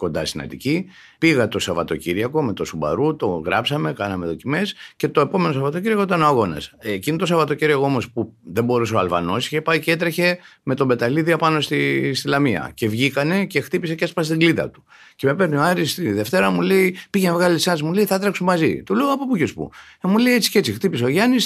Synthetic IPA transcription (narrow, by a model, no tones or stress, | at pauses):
ko̞nd̪ɐ̰st̪inɐ̰t̪ḭci | piɣɐt̪o̞sɐvɐ̰t̪o̞̰ciɾiɐko̞me̞t̪o̞subɐ̰ɾut̪o̞ɣɾɐpsɐme̞kɐnɐme̞t̪o̞cime̞sce̞t̪o̞e̞po̞me̞no̞sɐvɐt̪ociɾiɐkoit̪ɐnoɐɣo̞nɐ̰scinot̪o̞sɐvɐt̪ociɾiɐkoo̞mo̞spuðe̞mbo̞ɾuseɐlvɐ̰no̞si̥cepɐjcee̞t̪ɾe̞çe̞me̞t̪o̞be̞t̪ɐliðiɐpɐno̞st̪ist̪ilɐmiɐ̰ce̞vʝikɐne̞ce̞xt̪ipise̞ceɐspɐst̪iŋɡlit̪ɐ̰t̪u̥ | ce̞me̞pe̞ɾnioɐɾist̪iðe̞ft̪e̞ɾɐmule̞ipiʝemavɣɐlisɐnsmule̞iθɐt̪ɾɐksummɐzḭt̪uleoɐpopucespṵemule̞jet͡si̥cee̞t͡sixt̪ipis̬eo̞ʝɐnis